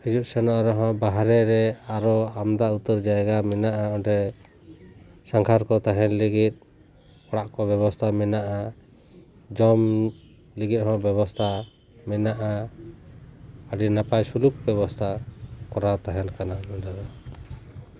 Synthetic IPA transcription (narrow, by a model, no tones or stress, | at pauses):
hid͡ʒuʔsɛnɔʔɾɔɦɔ̃baɦɾɛɾɛaɾɔamd̪aut̪əɾd͡ʒaɛɡamɛnaʔaɔɳʈɛ | saŋkʰaɾkɔt̪aɦɛnliɡit̪̚ˀ | ɔɽaʔkɔbɛbɔst̪ʰamɛnaʔa | d͡ʒɔm | liɡit̪̚hɔ̃bjɛβɔst̪ʰa | mɛnaʔa | əɖinapajsuluk̚bɛβɔst̪ʰakɔɾawt̪aɦɛnkanaɛɖad̪ɔ